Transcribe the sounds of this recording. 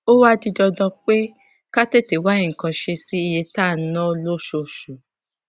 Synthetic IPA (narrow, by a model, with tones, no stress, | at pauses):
o˦wa˦di˧dɔ˧dɔ̃˧k͡pe˦ | ka˦te˦˨te˨wa˦ĩ˦˨ŋ̩˨kã˧ʃe˧si˦i˧je˧ta˦˨˦nɔ̃˦lo˦ʃo˧ʃu˨